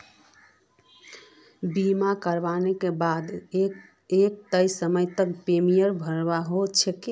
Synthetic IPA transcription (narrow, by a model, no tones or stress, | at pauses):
bimakəɾʋanekebad̪ | ek̚t̪əjsəməjt̪əkpemijəɾbʱəɾbaɦot͡ʃʰeke